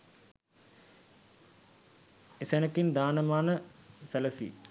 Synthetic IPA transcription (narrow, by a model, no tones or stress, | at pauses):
esenəkind̪aːnəmaːnəsæləsḭ